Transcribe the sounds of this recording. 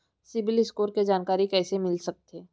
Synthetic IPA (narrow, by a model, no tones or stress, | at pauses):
sɪbɪlɪskoːɾked͡ʒaːnkaːɾikɛːsemɪlsɐk̚t̪eː